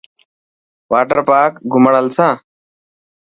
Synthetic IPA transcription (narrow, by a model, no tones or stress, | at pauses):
ʋaːʈəɾpaːkɡʱʊməɳəlt͡sʰãː